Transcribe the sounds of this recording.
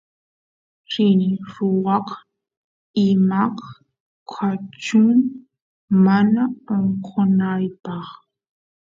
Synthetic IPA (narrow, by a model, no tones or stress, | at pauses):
ɾɪnɪɾʊwɑq | ɪmɑq | kʰat͡ʃʊŋ | manaoɴqʰonajpɑχ